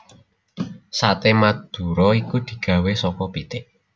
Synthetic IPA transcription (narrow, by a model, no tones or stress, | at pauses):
sat̪emad̪̥ṳɾɔikud̪̥i̤ɡ̥ä̤wesɔkɔb̥it̪ɪʔ